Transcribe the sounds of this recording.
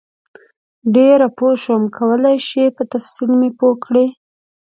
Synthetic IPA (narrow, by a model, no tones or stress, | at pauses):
ɖeɾapoʃomkʰawəlajʃipət̪afsilmepokɽe